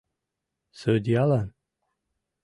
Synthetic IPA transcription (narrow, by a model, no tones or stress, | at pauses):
səd̪ialan